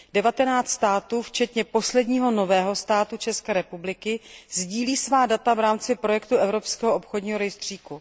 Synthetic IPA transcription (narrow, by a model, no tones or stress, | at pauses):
dɛvat̪ɛnaːt͡st̪st̪aːt̪uːft͡ʃɛt̪ɲɛpo̞slɛdɲiːɦo̞no̞vɛːɦo̞st̪aːt̪ut͡ʃɛskɛːɾɛpublɪkɪzɟiːliːsvaːdat̪avɾaːmt͡sɪpɾo̞jɛkt̪uʔɛvɾo̞pskɛːɦoʔopxodɲiːɦoɾɛjst̪r̝̥iːku